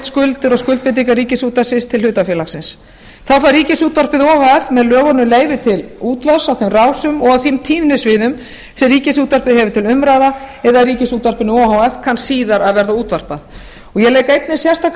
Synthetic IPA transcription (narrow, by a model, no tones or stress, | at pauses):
t̪skʏlt̪ɪɾɔɣskʏlt̪pɪt̪̬iŋkariːcɪsuːt̪asɪst̪ʰɪlhʏːt̪afjɛːlaxsɪns | θawfaɾriːcɪsuːt̪var̥pɪðɔhawɛfmɛðlœːɣɔnʏmleːjvɪt̪ʰɪluːt̪vasaθemraːwsʏmɔɣaðθimt̪ʰiːðnɪsvɪðʏm | sɛriːcɪsuːt̪var̥pɪðhɦɛvʏt̪ʰɪlʏmɾaːðaɛðariːcɪsuːt̪var̥pɪnʏɔhawɛfkʰansːiːðaɾaðvɛɾðauːt̪var̥paθ | ɔɣjɛlɛːjkejt̪̚nɪ̥sjɛrst̪ak